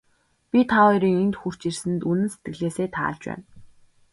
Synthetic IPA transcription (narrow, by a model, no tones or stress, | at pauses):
pʲit̪ʰaɔjɾiːŋent̪xur̥t͡ɕirsɘ̆nt̪unɘ̆nse̥t̪̚ɡɘ̆ɮeːseːt̪ʰa̰ːɬt͡ɕpæ̰ːn